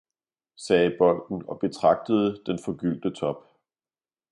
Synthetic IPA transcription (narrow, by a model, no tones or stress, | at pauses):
sɛːb̥ɒ̽l̰d̥n̩ɒ̽b̥e̝t͡sʰʁɑ̈ɡ̥̚d̥əð̞̩ˠəd̥enfɒ̽ɡ̥yl̰d̥ət͡sʰɒ̽b̥